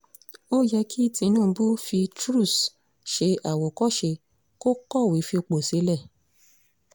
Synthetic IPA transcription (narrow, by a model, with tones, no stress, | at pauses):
o˦jɛ˧kʰi˦tĩ˧nũː˦˨˧bu˦fi˧tɾu˦˨s | ʃe˧ʔa˨wo˨kɔ˦ʃe˧ | ko˦kɔ˦˨wi˨˦fi˧o˧k͡po˨se˨˦lɛ˦˨